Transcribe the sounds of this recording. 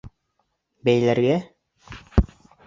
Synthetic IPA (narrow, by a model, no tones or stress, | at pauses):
bæjlæɾɡæ